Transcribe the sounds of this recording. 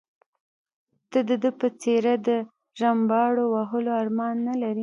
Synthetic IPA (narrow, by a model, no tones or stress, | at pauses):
t̪əd̪əd̪əpət͡seɾad̪ə | ʒambɑɽowaɦəloɑɾmɑnːalaɾi